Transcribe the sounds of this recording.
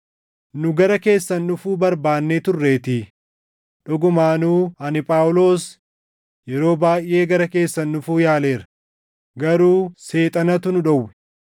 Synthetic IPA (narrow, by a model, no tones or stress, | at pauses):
nʊɡɐɾɐke̞ːsːɐnːʊfuːbɐɾbaːnːeːt̪ʊrːe̞ːt̪ɪː | ᶑɔɡʊmaːnuːɐnɪpʼaːwʊlo̞ːs | jɛɾo̞ːbaːjʔʔe̞ːɡɐɾɐke̞ːsːɐnːʊfuːjaːle̞ːɾɐ̥ | ɡɐɾuːse̞ːt̪ʼɐnɐt̪ʊnʊᶑɐwːɛ̥